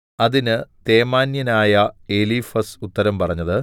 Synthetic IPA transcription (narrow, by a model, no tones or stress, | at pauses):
ɐðinɨt̪e̞ːmaːnjɐnaːjɐeliːfɐsut̪ːɐɾɐmpɐrɐɲːɐðɨ